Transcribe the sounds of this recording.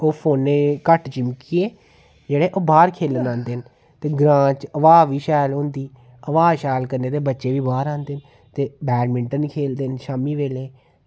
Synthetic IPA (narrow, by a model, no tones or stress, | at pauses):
oːpʰoːnːeːkəʈt͡ʃɪmkiːeː | d͡ʒeːɽeːʔoːbaːɾkʰeːlnãːnd̪eːn | t̪eːɡɾãːt͡ʃəʋaːʋiːʃɛːlõːnd̪iː | əʋaːʃɛːlkəɾneːt̪eːbətːʃeːʋiːbaːɾãːnd̪eːn | t̪eːbɛːɾmɪɳʈənkʰeːld̪eːnʃaːmiːʋeːleː